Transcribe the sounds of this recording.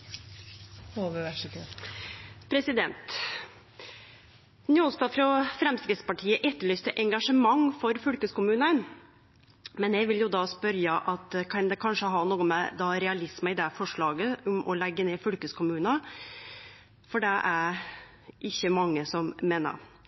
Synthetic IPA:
oːʋəʋæʂkə | pʰɾɛsɪd̪ɛnt̪ | nɪoːlst̪ɑfɾɑfɾɛmsk̪ɾɪt̪spɑʈʰiːəʔɛt̪ːəɭyːst̪əʔɛŋɡɑʂəmɑŋfɔɾfʏlkəskʊmʉːnən | mɛnjɛʋɪljʊd̪ɑspœɾjəʔɑt̪kʰɑnd̪ɛkʰɑnʂəɦɑnuːəmɛd̪ɑɾɛɑlɪsməɪd̪ɛfɔʂɭɑːɡəʊmʔɔlɛɡːəneːfʉlkəskʰʊmʉːnɑ | fɔɖɛʔæɾ | ʔɪçːəmɑŋːəsɔmmeːnə̰ɾ

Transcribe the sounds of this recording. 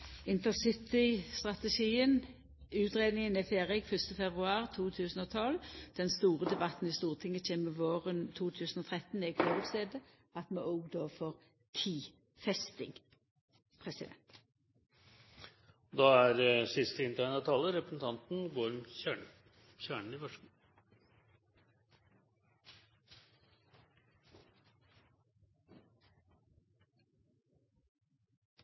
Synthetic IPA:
ɪnt̪əsɪt̪ɪst̪ʁɑt̪əʃiːən | ʉːt̪ʁeːd̪nɪŋənɛfeːʁɪkfœst̪əfɛbʁʉɑːʁt̪ʰuːt̪ʰʉːsən̩ɔt̪ʰɔld̪̥ɛnst̪uːʁəd̪ɛbɑt̪n̩ɪst̪uːʁt̪ʰɪŋːət͡ʃeːməʋoːʁənt̪ʰuːt̪ʰʉːsn̩ɔt̪ʰʁɛt̪ːn̩ɛɡfoːʁʉk̪st̪eːd̪ə | ɑt̪mɛʔɔːɡd̪oːfɔʁ | t̪ʰiː | fɛst̪ɪ̰ŋ | pʰʁɛsɪd̪ɛ̰nt̪ | d̪ɑːæɾsɪst̪əɪnt̪ʰæːnɑt̪ʰɑlːəɾɛpɾəsn̩t̪ʰɑnt̪n̩ɡoːɾmçæːɳ | çæːɳɳ̩ɪfœʂ

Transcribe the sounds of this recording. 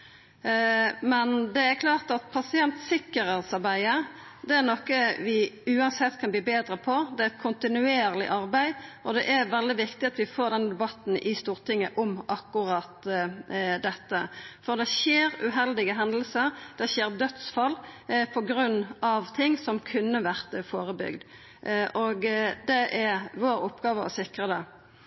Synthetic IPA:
mɛnd̪ɛæɾkʰlɑːʁt̪ɑt̪pʰɑsɪɛnt̪sɪkːəɾəʁsɑbæɪə | d̪ɛæʁnɔkːəʋɪʉːɑnsɛt̪ːkʰɑnbliːbeːd̪ɾəpʰɔd̪ɛɛt̪kʰʊnt̪ɪnʉeːʁlɪ̰ʔɑʁbæɪʔɔd̪ɛʔæɾʋɛld̪ɪʋɪkt̪ɪɑt̪ʋɪfoːʁd̪ɛnəd̪ɛbɑt̪n̩ʔɪst̪uːʁt̪ʰɪŋːəʔɔmɑkːʊʁɑːt̪ | d̪ɛt̪ːəfɔʁd̪ɛʃeːʁʉɦɛld̪ɪɡəɦɛnd̪l̩səʁd̪̥ɛçeːɾd̪œt̪sfɑlːpʰɔɡɾʉnːɑʋt̪ʰɪŋːsɔmkʰʉnːəʋæʁt̪foːʁəbʏ̰ɡd̪ | ʔoɡd̪ɛʔæʋoːɾʊpːɡɑːʋəɔ̰sɪkʁəd̪ɛ

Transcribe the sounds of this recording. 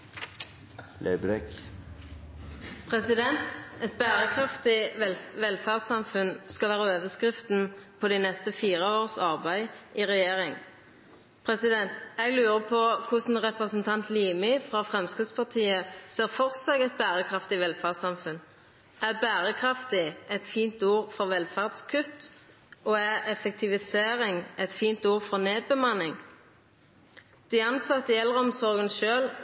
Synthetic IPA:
lʔeɪbɾɛk | pʰʁɛsɪd̪ɛnt̪ɛt̪̚bæːʁəkʰʁɑft̪ɪʋɛlfæːʁsɑmfʉnskɑlʋæːʁəøːʋəskʁɪft̪n̩pʰɔːd̪iːnɛst̪əfiːʁəoːʁsɑʁbæɪʔiːʁɛjeːʁɪŋ | pʰʁɛsɪd̪ɛnt̪ɛɡlʉːʁəpʰɔkʰʊsn̩ʁɛpʁɛsn̩t̪ʰɑnt̪liːmɪfʁɑfʁɛmskɪd̪spɑʁt̪ʰiːəseːʁfɔʁsɛɡɛt̪̚bæːʁəkʰʁɑft̪ɪʋɛlfɑːd̪sɑmfʉn | ʔæbæːʁəkʰʁɑft̪ɪʔɛt̪fiːnt̪uːʁfɔʁʋɛlfɑʁd̪skʰʉt̪ | oːæʁɛfɛk̚t̪ʰɪʋɪseːʁɪŋɛt̪fiːnt̪uːʁfɔʁneːd̪̚bəmɑnɪŋ | d̪̥ɪɑnsɑt̪ːəɛlːəʁəɔmsɔʁɡənʃøːl

